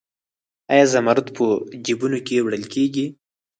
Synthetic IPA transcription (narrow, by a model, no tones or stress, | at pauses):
ajazamaɾʊt̪pʰəd͡ʒibunokewɽəlkeɡi